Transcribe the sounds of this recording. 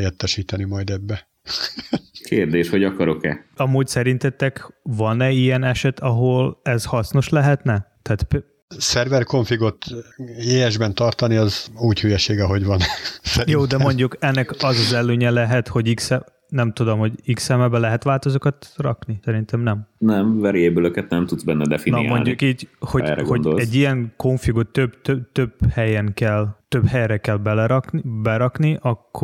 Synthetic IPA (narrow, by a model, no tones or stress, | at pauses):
jɛt̪ːɛʃiːt̪ɛnimɒjd̪ɛbːɛ | kʰeːrd̪eːʃho̞ɟɒkɒɾo̞kɛ̰ɒmuːcsɛɾint̪ɛt̪ːɛkvɒnɛijɛnɛʃɛt̪ʰɒɦo̞lɛzhɒsno̞ʃlɛɦɛt̪nɛt̪ɛaːt̪p | sɛrvɛrkoɱfiɡo̞t̪eːɛʒbɛnt̪ɒrt̪ɒniɒzuːchyjɛʃeːɡɛɦo̞ɟʋɒnsɛɾjioːd̪ɛmo̞ɲɟukɛnːɛkɒzɒzɛlːøːɲɛlɛɦɛt̪ho̞ɟiksɛ | nɛmt̪ud̪o̞mho̞ɟiksɛmɛbɛlɛɦɛt̪ʋaːlt̪o̞zokɒt̪rɒ̰knisɛɾint̪ɛmnɛmnɛmvɛɾieːbøløkɛt̪nɛmt̪ud̪zbɛnːɛd̪ɛfinamo̰lndɟukiːɟho̞ɛ̰ɾɛ̰ɡo̞nd̪olɛɟːijɛŋko̞ɱfiɡot̪ːøbt̪øt̪øbhɛjɛŋkɛlt̪øbhɛjrɛkɛlbɛlɛɾɒknbɛɾɒkniʔɒkː